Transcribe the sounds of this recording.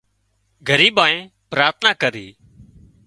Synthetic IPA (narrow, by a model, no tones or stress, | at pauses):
ɡʱəɾiːbaːẽː | pɾaːɾt̪ʰnaːkəɾiː